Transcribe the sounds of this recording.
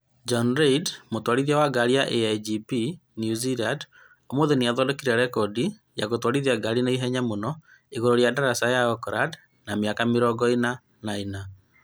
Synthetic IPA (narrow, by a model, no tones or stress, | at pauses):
d͡ʒɔnɾeidmotwaɾiðiawaɡaɾiaʔeajd͡ʒipinjuziland | omoðeneaðɔdɔkiɾaɾɛkɔdi | jaɣotwaɾiðiaɡaɾineiɦɛɲamonɔ | eɣoɾoɾjadaɾasajaɔkɾad | namiakamiɾɔɡɔena | naina